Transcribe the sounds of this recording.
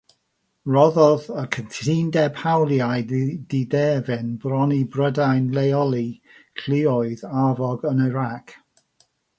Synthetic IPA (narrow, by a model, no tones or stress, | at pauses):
rɔðɔðəkʰəntʰindɛbhawlˠjajdidɛːvɪnbrɔnibrədajnlejɔlˠi | kʰl̥ɪɔɨðavɔɡənəɾak